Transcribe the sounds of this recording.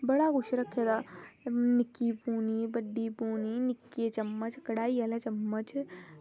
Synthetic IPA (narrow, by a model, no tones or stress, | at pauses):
bɐɽaɡʊʃɾɐkʰːed̪a | nɪkːipuːnibɐɖːipuːninɪkːiet͡ʃɐmːət͡ʃkɐɽaːiɐlat͡ʃɐmːət͡ʃ